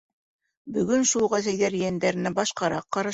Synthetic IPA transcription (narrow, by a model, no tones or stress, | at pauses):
bɵ̆ɡɵnʃulˠʁæzæjðæɾjænd̪æɾɘ̆næbɑʃqɑɾɑqːɑɾɑ̆